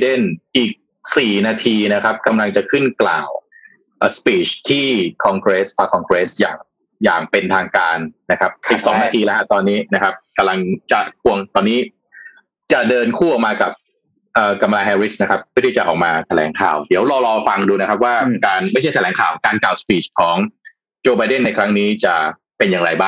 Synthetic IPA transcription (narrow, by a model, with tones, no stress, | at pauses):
de˥˩nʔiː˨˩k̚ | siː˨˩naː˧t̪ʰiː˧na˦˥kʰa˦˥p̚ka˧mla˧ŋt͡ɕa˨˩kʰɯ˥˩nkla̰ː˨˩w | ʔːspiː˦˩t͡ɕt̪ʰiː˥˩kʰɔː˧ŋkɾe˦˥spʰaː˧kʰɔː˧ŋkɾeː˦˥sja̰ː˨˩ŋ | ja̰ː˨˩ŋpe˧nt̪ʰaː˧ŋkaː˧nːa˦˥kʰa˦˥p̚ʔiː˨˩k̚sɔ̰˩˦ŋnaː˧t̪ʰiː˧lɛ˦˥kʰa˦˥˩t̪ɔː˧nːiː˦˥na˦˥kʰa˦˥p̚ka˧mla˧ŋt͡ɕa˨˩kʰu˧˩əŋt̪ɔː˧nːiː˦˥ | t͡ɕa˨˩dɤː˧nkʰuː˥˩ʔɔː˨˩k̚maː˧ka˨˩p̚ | ʔəː˨˩ka˧mlaː˧ɦɛː˧ɾi˦˥sna˦˥kʰa˦˥p̚mʰɯ˥˩t̪ʰiː˥˩t͡ɕa˨˩ʔɔː˨˩k̚maː˧t̪ʰa˧lɛ̰ː˩˦ŋkʰa̰ː˨˩wdi˩˦əwɾɔː˧ɾɔː˧fa˧ŋduː˧na˦˥kʰa˦˥p̬̚waː˥˩kaː˧nma˥˩jʰt͡ɕʰt̪ʰɛ˩˦ŋkʰaː˨˩wkaː˧nkaː˨˩wspiː˨˩t͡ɕkʰɔː˩˦ŋ | t͡ɕoː˧ba˧jde˥˩nːa˧jkʰɾa˦˥ŋniː˦˥t͡ɕa˨˩ | pe˧njaː˨˩ŋɾa˧jbaː˥˩ŋ